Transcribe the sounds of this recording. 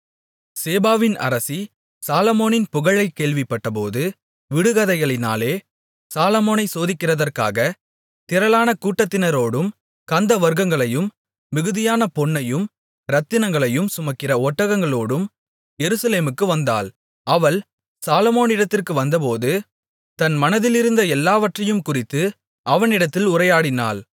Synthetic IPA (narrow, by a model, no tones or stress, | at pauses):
seːbaːʋɪnɐ̰ɾɐsi | saːlɐmoːnɪnpʊɣɐɭɐɪkeːɭʋɪpːɐʈːɐpoːðɯ | ʋɪɽɯɣɐðɐɪɣɐɭɪna̰ːleː | saːlɐmoːnɐɪsoːðɪkːɪrɐðɐrka̰ːɣɐ | t̪ɪɾɐlaːnɐkuːʈːɐt̪ːɪnɐɾoːɽɯm | kɐnd̪ɐʋɐɾɡɐŋɡɐɭɐjɯmː | ɪɣɯðɪjaːnɐpɔɳːɐjɯm | ɾɐt̪ːɪnɐŋɡɐɭɐjɯmsʊmɐkːɪrɐɔʈːɐɣɐŋɡɐɭoːɽɯm | jɛɾɯsɐleːmɯkːɯʋɐnd̪a̰ːl | ɐʋɐɭ | saːlɐmoːnɪɽɐt̪ːɪrkɯʋɐnd̪ɐp̬oːðɯ | t̪ɐnmɐnɐðɪlɪɾɯnd̪ɐɛlːaːʋɐʈrɐjɯmkʊrɪt̪ːɯ | ɐʋɐnɪɽɐt̪ːɪlʊrɐjaːɽɪna̰ːl